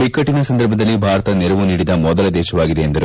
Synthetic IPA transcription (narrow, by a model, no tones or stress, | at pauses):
bikːɐʈːinɐsɐnd̪ɐɾbʱɐd̪ɐlːibʱaːɾɐt̪ɐnɛɾɐʋuniːɽid̪ɐmɔd̪ɐlɐd̪ɛːʃɐʋaːɡid̪e̞ːnd̪ɐɾu